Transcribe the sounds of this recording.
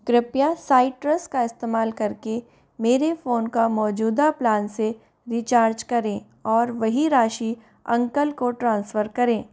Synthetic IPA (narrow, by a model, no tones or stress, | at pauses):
kɾɪpjasaːɪʈɾəskaɪst̪eːmaːlkɐɾke | meːɾefoːnkamɔːd͡ʒuːd̪aplaːnse | ɾiːt͡ʃaːɾd͡ʒkɐɾẽː | ɔːɾʋɐɦiɾaːʃi | ɐ̃ŋkəlkoʈɾãːnsfəɾkɐɾẽː